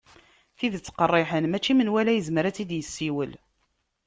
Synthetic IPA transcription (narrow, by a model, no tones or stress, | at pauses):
θiðt͡sːqərˤːɪħənmæt͡ʃːimənwælæjəzməɾæt͡sːid̪jəsːiwəl